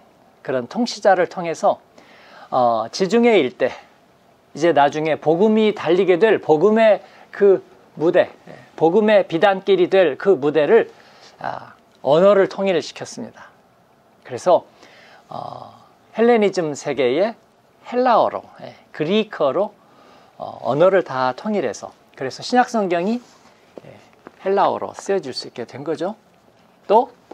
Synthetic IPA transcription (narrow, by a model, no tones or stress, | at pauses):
kɯɾʌntʰoŋɕʰid͡ʑaɾɯɭtʰoŋɦe̞sʰʌ | ʌt͡ɕid͡ʑuŋe̞iɭt͈e̞ | id͡ʑe̞nad͡ʑuŋe̞poɡumitaʎːiɡe̞dwe̞ɭpoɡɯme̞ | kɯ | mude̞ḛ | poɡume̞pidank͈iɾidwe̞ɭkɯmude̞ɾɯɭ | a̰ | ʌnʌɾɯɭtʰoŋiɾɕʰi̥kʰjʌs͈ɯmɲid̥a | kɯɾe̞sʰʌ | ʌ̰ | he̞ɭːenid͡ʑɯmsʰe̞ɡe̞je̞ | he̞ɭːaoɾo̰jḛkɯɾikʰʌɾo | ʌ̰ʌ̰nʌɾɯɭtatʰoŋiɾe̞̰sʰʌ̰ | kɯɾe̞sʰʌɕʰiɲak̚s͈ʰʌŋɡjʌŋi | jḛ | he̞ɭːao̰ɾo̰s͈ɯjʌd͡ʑiɭs͈uik͈e̞dwe̞nɡʌd͡ʑo | t͈o